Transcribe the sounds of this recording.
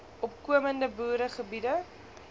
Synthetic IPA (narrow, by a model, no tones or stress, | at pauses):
ɔpkuəməndəbuːɾəχəbidə